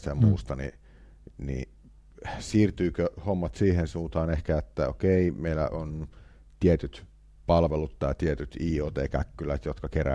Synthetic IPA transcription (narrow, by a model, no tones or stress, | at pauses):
t̪æjɑmuːst̪ɑnḭ | nḭ | siːrt̪yːkøhomːɑt̪siːhensuːnt̪ɑːnehkæet̪ːæo̰keimeilːæ̰ʔon | t̪iet̪yt̪ | pɑlʋelut̪t̪ːɑit̪iet̪yt̪iːot̪ḛikæ̰kːylæt̪jot̪kɑkeræ̰